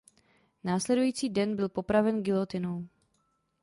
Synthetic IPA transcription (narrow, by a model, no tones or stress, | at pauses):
naːslɛdujiːt͡siːdɛnbɪlpo̞pɾavɛnɡɪlot̪ɪnow